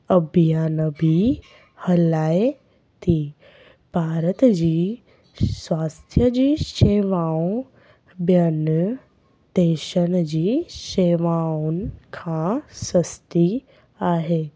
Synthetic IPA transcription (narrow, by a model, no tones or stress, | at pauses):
ɐbʱijaːnəbʱi | hɐlaːe | t̪ʰiː | b̥ʱaːɾət̪d͡ʑiː | sʋaːst̪ʰjəd͡ʑiːʃeːʋaːũ | bjɐnə | d̪̥eːʃəñd͡ʑiːʃeːʋaunɪ̆kʰãsəst̪i | aːɦeː